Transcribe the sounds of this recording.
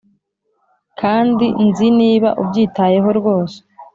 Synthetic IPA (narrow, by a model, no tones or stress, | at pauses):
kʰaːndinziniːβa̰ʔubɟiːtaje̞ɦo̞ɾɡwo̞ːse̥